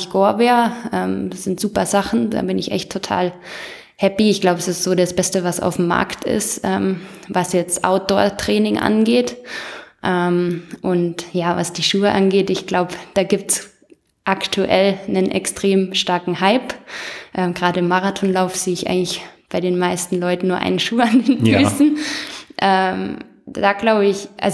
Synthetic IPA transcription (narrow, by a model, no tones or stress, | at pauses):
çɡ̥oːɐvɛːɐʔɛːmz̥ɪntz̥uːpɐzaχn̩da̰ːbɪnɪçʔɛ̰çtʰːotʰa̰ːl | hɛpiɪçɡ̥laʊbəɛsɪstz̥oːɾasb̥ɛstəvasa̰ʊfm̩ːa̰ɐktʰɪ̰sʔɛːm | vasjɛt͡sʔa̰ʊt̚d̥ɔːɐtʁ̥ɛːnɪŋʔa̰nɡeːt | ʔɛmʔʊntjaːvasd̥iːʃuːəʔanɡeːtɪçɡ̥laʊbəd̥aːɡiːp̚ts | ʔaktʰuʔɛlnənʔɛ̰kstʁ̥eːmʃtaɐkŋ̩haɪpʔɛːmɡʁaːdəɪmːaʁatʰɔnlaʊfz̥eːɪçʔa̰ɪɡŋlɪçb̥aɪɾeːnmaɪstn̩lɔʏtn̩nːuːɐʔa̰ɪnəʃuːəandeːnfyːsn̩ʔɛːm | d̥aːɡlaʊbəɪçʔa̰lz